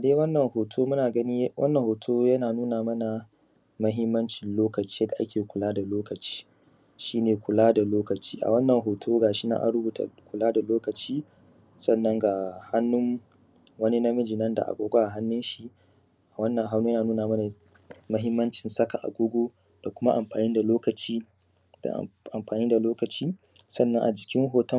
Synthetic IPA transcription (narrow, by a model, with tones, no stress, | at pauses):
ʔa˨deː˦wɐ˦nːɐ˨ŋhoː˨tʰoː˦mʊ˦naː˨ɡɐ˦niː˦wʔɐ̰˦nːɐ˨ŋhoː˨tʰoː˦jɐ˦naː˨nuː˦naː˨mɐ˦na˨ | mɐ˦ɦɪ˦mːɐ˦nt͡ʃɪ˨nloː˦kɐ˨t͡ʃiː˦ɐ˦da˨ʔa̰˦kʲeː˨kʷʊ˨laː˦da˨loː˦kɐ˨t͡ʃi̥ː˦ | ʃiː˦neː˨kʷʊ˨laː˦da˨loː˦kɐ˨t͡ʃi̥ː˦ʔa̰˨wɐ˦nːɐ˨ŋɦoː˨tʰoː˦ɡaː˨ʃi˦na̰˦ʔa̰˦ɾʊ˦buː˨tʰa̰˨kʷʊ˨laː˦da˨loː˦kɐ˨t͡ʃiː˦ | sɐ˦nːɐ˦ŋɡa˨ha˦nːʊ˦ŋ | wɐ˦ni˦na˦mɐ˦d͡ʒɪ˨nɐ˦nda˨ʔa̰˨kʷʼoː˦ɡʷa˦ʔa˨ɦa˦nːɪ˦nʃi˦ | ʔa˨wɐ˦nːɐ˨ŋɦa˦wnu˦jnaː˨nuː˦naː˨mɐ˦na˨ | mɐ˦ɦɪ˦mːɐ˦nt͡ʃɪ˨nsɐ˦ka˨ʔa̰˨ɡʷʊ˦ɡʷoː˦ | d̥a˨kʷʊ˦ma˦ʔa˨mɸaː˨niː˦da˨loː˦kɐ˨t͡ʃiː˦ | d̥a̰˨ʔa˨mɸaː˨niː˦da˨loː˦kɐ˨t͡ʃiː˦sɐ˦nːɐ˦ŋʔa̰˨d͡ʒɪ˨kʲɪ˦ŋɦoː˨tɐ˦